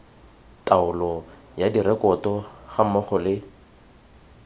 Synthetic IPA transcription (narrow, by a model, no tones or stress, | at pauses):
taʊlɔ | jadiɾɛkɔtɔχamɔχɔlɪ